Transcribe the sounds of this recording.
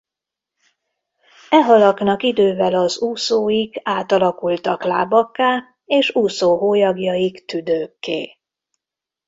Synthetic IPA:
ɛɦɒlɒknɒkid̪øːvɛlɒzuːsoːjiɡaːt̪ɒlɒkult̪ɒkla̰ːbɒkːaː | eːʃuːsoːɦoːjɒɡjɒjikt̪yd̪øːkːḛː

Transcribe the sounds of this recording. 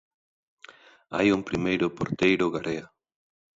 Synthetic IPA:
a̰jʊŋpɾimejɾʊpoɾt̪ejɾʊɣaɾʔea

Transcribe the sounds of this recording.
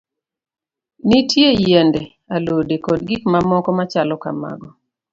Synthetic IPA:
nitjejendɛ | alodekɔd̚ɡikmamɔkɔmat͡ʃalɔka̰ma̰ɡɔ

